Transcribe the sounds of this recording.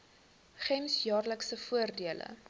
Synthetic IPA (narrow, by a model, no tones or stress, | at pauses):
χɛmsjɑːrləksəfuərdiələ̰